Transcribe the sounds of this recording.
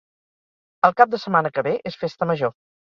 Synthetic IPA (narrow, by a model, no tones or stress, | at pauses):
əlˠkap̚d̪əsəmanəkəβeʔesfest̪əməʒo